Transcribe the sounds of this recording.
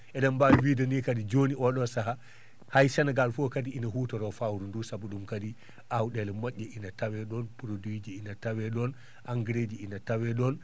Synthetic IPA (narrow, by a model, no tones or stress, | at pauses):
ʔɛɗambawwidanikadid͡ʒoniʔɔɗɔsaɦa | hajsanaɡalfɔkadiinaɦutɔɾɔfawɾundusabuɗumkadi | ʔawɗɛlɛmɔʔːɛʔinatawɛɗɔnpɾodwid͡ʒiinatawɛɗɔn | ʔaŋɡɾed͡ʒiinatawɛɗɔn